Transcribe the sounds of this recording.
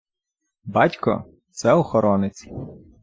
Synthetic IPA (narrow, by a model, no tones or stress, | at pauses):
bɑtʲkɔ̰ | t̪sɛɔxɔɾɔnɪt͡sʲ